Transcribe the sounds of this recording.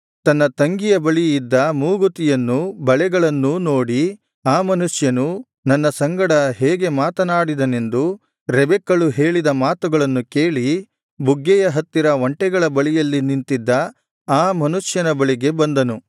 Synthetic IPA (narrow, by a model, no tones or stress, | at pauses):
t̪ɐnːɐt̪ɐŋɡijɐbɐɭiːd̪ːɐmuːɡut̪ijɐnːubɐɭɛɡɐɭɐnːuno̞ːɽi | aːmɐnuʂjɐnu | nɐnːɐsɐŋɡɐɽɐɦeːɡe̞maːt̪ɐnaːɽid̪ɐne̞nd̪u | ɾɛbɛkːɐɭuɦe̞ːɭid̪ɐmaːt̪uɡɐɭɐnːukeːɭi | buɡːɛjɐɦɐt̪ːiɾɐʋɐɳʈɛɡɐɭɐbɐɭijɐlːinint̪id̪ːɐ | aːmɐnuʂjɐnɐbɐɭiɡe̞bɐnd̪ɐnu